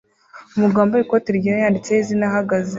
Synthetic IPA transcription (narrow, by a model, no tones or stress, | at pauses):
umuɡaːmboikoteɾɟiɾajaːndit͡sehizinaɦaɡaze